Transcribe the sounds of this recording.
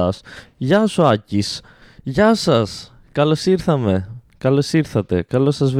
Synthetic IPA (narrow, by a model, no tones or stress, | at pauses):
ɐsʝɐsuɐcis | ʝɐsɐs | kɐlo̞siɾθɐme̞kɐlo̞siɾθɐt̪e̞̰kɐlo̞sɐzv